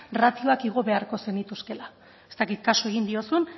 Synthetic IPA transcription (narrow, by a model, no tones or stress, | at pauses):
rat̪io̞akiɣ̞o̞βe̞aɾko̞se̞nit̪uske̞la | e̞st̪akit̪kasue̞ɣ̞ind̪io̞sun